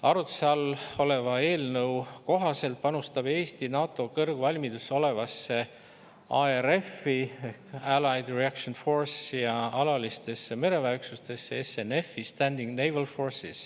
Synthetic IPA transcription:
ɑɾut̪sɑlo̞le̞vɑe̞ːlnɤwko̞ɦɑse̞lt̪̚pɑnust̪ɑb̥e̞ːst̪inɑːt̪ˑo̞kɤrɡ̥vɑlʲmid̪uso̞le̞vɑsːe̞ | ʔɑeɾe̞fːieælɑjd̪riækʃonfo̞rsjɑɑlɑlist̪e̞sːe̞me̞ɾe̞væjksust̪e̞sːeesːe̞ne̞fist̪ænd̪iŋɡnejvelfo̞rsis

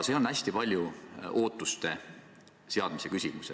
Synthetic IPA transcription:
seo̞næsʲt̪ipɑlʲjuʔo̞ːt̪ːˑust̪e̞ | se̞ɑd̪̥mise̞kysʲimuse

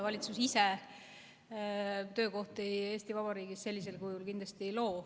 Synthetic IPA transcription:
vɑlʲit̪susise | t̪ø̞ːko̞ht̪eje̞ːst̪ivɑb̥ɑɾiːɡisse̞lʲːis̬e̞lkujulkind̪lɑst̪ijlo̞ː

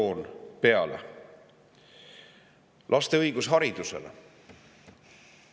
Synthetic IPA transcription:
oːnpe̞ɑlḛ | lʔɑst̪e̞ɤjɡ̥usɦɑɾid̪̥use̞̰le

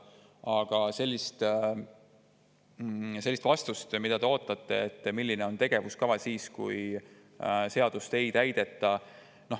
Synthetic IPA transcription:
ɑɡ̥ɑse̞lʲːist̪ | se̞lːist̪vɑst̪ust̪mid̪̥ɑt̪eo̞ːt̪ˑːɑt̪ˑːe̞̰et̪ːmilʲːine̞o̞nt̪e̞ɡ̥e̞vuskɑvɑsiːskṵj | se̞ɑd̪̥ust̪e̞jt̪æjd̪̥e̞t̪ːˑɑ | no̞

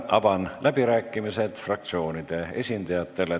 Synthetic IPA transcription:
ʔɑ̰bɑnlʔæbiɾæːkːˑimise̞d̪̥frɑk̚t̪sio̞ːnid̪̥e̞e̞sʲind̪̥ɑjɑt̪ːˑe̞le

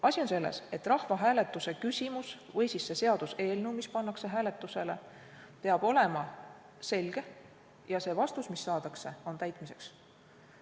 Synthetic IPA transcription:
ɑsʲio̞nse̞lːḛse̞t̪ːˑrɑhvɑɦæːle̞t̪ːˑuse̞kysʲimus | vɤjsisːe̞se̞ɑd̪̥use̞ːlnumispɑnːɑkse̞ɦæːle̞t̪ːˑuse̞le̞̰ | pe̞ɑb̥o̞le̞mɑ | se̞lʲɡ̥e̞ | jɑse̞ːvɑst̪usmisːɑːd̪ɑkse̞o̞nt̪æjt̪ˑmise̞ks

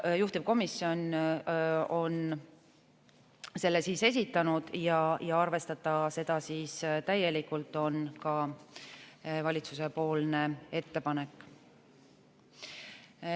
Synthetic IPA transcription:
juht̪ip̚ko̞misːio̞n | o̞n | se̞lːesiːse̞s̬ʲit̪ːˑɑnud̪̥jɑjɑɑrve̞st̪ɑt̪ːˑɑse̞d̪̥ɑsiːst̪æje̞likult̪ːˑo̞nkɑ | vɑlʲit̪suse̞po̞ːlne̞e̞t̪ːe̞pɑne̞kːˑ

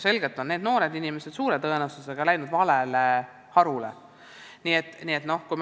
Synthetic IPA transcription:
se̞lɡ̥e̞t̪ːˑo̞nne̞ːd̪no̞ːɾe̞d̪inime̞sed̪suːɾe̞t̪ɤenɑsuse̞ɡ̥ɑlæjnud̪vɑlele | hɑɾulḛ | niːet̪ːˑniːet̪no̞hkujm

